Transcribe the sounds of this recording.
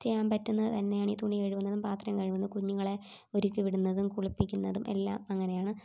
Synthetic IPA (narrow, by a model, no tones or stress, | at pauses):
t͡ɕejaːmpɐtːunːɐðɨt̪ɐnːe̞jaːɳit̪uɳijeːɻuʋunːɐðumpaːt̪rɐmkɐɻʋunːɐkuɲːuɣɐɭe̞ | o̞ɾukʲːuʋiɽunːɐðumkuɭipːikʲːunːɐðumʔe̞̰lːa̰ːmɐŋːɐne̞jaːɳɨ